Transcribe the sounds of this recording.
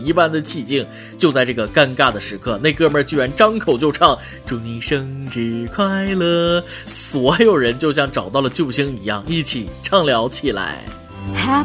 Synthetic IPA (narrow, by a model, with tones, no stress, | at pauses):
ni˥˧˩pa˥nd̪ə˨t͡ɕʰi˥˩t͡ɕi˥˩ŋ | t͡ɕjo˥˧ʊt͡sa˥˧ɪʈ͡ʂɤ˥˩ɡə˩ka˥˧nka˥˩d̪ə˩ʂɻ̩˧˥kʰɤ˥˧ne˥˧ɪkɤ˥˧mə˞˥˧t͡ɕy˥˩ɻa˧˥nʈ͡ʂɑ˥ŋkʰo˨˩ʊt͡ɕjo˥˧ʊʈ͡ʂʰɑ˥˩ŋ | ʈ͡ʂu˧˩ni˧˥˩ʂɤ˥ŋʈ͡ʂ̩˧˥˩kʰwa˥˩ɪlə˩ | swɔ˧˥jo˨˩ʊɻə˧˥nt͡ɕjo˥˧ʊɕ̬jɑ˥˩ŋʈ͡ʂɑ˨˩ʊt̪ɑ˥˩ʊlə˩t͡ɕjo˥˩ʊɕi˥ŋi˧˥jɑ˥˩ŋi˥˩t͡ɕʰi˨˩ʈ͡ʂʰɑ˥˩ŋljɑ˧˥ʊt͡ɕʰi˨˩la̰˧˥ɪ